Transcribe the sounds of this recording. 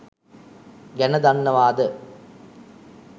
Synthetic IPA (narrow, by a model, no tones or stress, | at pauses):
ɡɐnɐd̪ɐnːɐʋaːd̪ɐ